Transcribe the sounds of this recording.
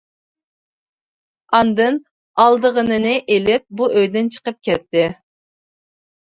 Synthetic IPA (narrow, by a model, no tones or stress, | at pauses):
ɑnd̪ɨn | ɑlˠd̪əʁənɨnɨʔelɪp̚buʔøjd̪ɪnt͡ʃʰə̥qəp̚kʲʰɛt̪ːɪ